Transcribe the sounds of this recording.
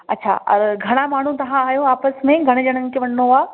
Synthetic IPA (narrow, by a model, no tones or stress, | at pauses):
ɐ̰tːɕʰa̰ːʔɔ̰ɾɡʱɐɽ̃amaːɳ̤ũt̪ɐʋ̤ãaːjoaːpəsmẽɡʱɐɽ̃d͡ʑɐɽ̃ənɪ̆kʰeʋɐnnoaː